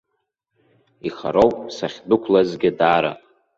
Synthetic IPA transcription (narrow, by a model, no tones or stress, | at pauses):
iχa̰ɾowpʼsaχʲdʊkʷʰlazɡʲɪdaːɾa̰